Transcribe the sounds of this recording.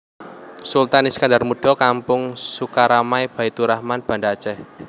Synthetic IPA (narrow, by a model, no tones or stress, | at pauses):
sult̪aniskandarmuɖ̥ɔ̤kampʊŋsukaɾamajb̥a̤it̪uɾahmanb̥a̤ndḁt͡ʃɛh